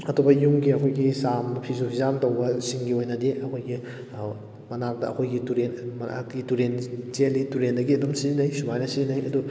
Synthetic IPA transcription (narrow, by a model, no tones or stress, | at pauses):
ɐtʰubɐjuŋɡiɐkʰojɡisamɐpʰizupʰizamtɐwbɐsiŋɡiojnɐdeʔɐkʰojɡi | mɐnak̚dɐɐ̰kʰojɡituɾenma̰ɡituɾenzelituɾendɐɡiɐdomsiznɐjsumajnɐsiznɐjɐdu